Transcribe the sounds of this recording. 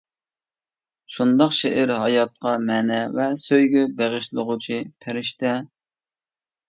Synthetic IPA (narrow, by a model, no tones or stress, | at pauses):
ʃund̪ɑqʃeʔɪɾɦɑjɑt̪̚qɑmɛnɛvɛsøjɡʲɛbeʁɨʃlˠəʁʊt͡ʃʰipʰeɾɪʃt̪ɛ